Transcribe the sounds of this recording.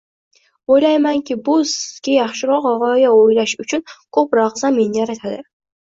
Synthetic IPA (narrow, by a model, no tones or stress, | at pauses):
ojlajmaŋkʲʰɪbʊzɡʲajɑχʃɪɾɒqɒʁɒjaojlaʃʊt͡ʃʰʊnkʰopɾɑʁzame̞nɪjaɾat̪ʰad̪ɪ